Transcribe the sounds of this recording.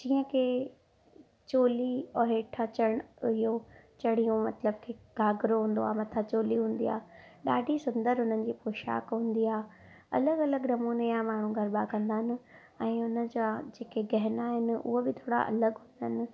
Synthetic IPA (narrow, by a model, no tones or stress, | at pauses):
d͡ʑĩːə̃kʰeː | t͡ɕoːliɔɦeːʈʰat͡ɕɐɽ̃ʊɦijo | t͡ɕɐɽ̤ijũmɐt̪ləb̚kʰeːɡʱaːɡɾoɦũːn̆d̪oaːmɐt̪ʰat͡ɕoːliɦũːn̆d̪ḭa̰ː | ɗaːɖʱisʊ̃nd̪əɾɦʊn̤ənɪ̆d͡ʑiːpoːʃa̰ːkɦũːn̆d̪iaːɦ | ɐ̰ləɡɐləɡnɐmuːnejamaːɳ̤ũɡʱɐɾbakɐ̃nd̪aːɦɪnɪ̆ | ɛ̃ːʊnə̆d͡ʑad͡ʑeːkeɡɐɦɪnaːɦɪnɪ̆ʊ̰ɦobɪt̪ʰoːɽa̰ʔɐ̰ləɡɦũːnd̪aɦɪnɪ̆